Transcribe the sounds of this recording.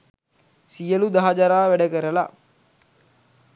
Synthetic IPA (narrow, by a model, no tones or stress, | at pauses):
sijəlud̪aɦad͡ʒaɾaːʋæɖəkəɾəla